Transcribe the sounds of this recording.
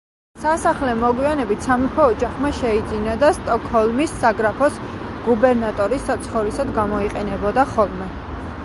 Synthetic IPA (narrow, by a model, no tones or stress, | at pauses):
sasaχlɛmɔɡwianɛbit̪ʰsamipʰɔːd͡ʒaχmaʃɛid̪zinad̪ast̪ʼɔkʰhɔlˠmisːaɡɾapʰɔs | ɡ̥ubɛɾnat̪ʼɔɾisat̪sʰχɔvɾisad̪ɡamɔiqʼɛnɛbɔd̪aχɔlˠmɛ